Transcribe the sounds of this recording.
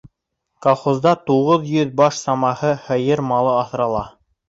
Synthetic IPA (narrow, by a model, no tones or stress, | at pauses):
kolˠχozd̪ɑt̪uʁɤðjɵðbɑʃsɑmɑhɤhɤ̆jɤɾmɑlˠɤɑθɾɑlˠɑ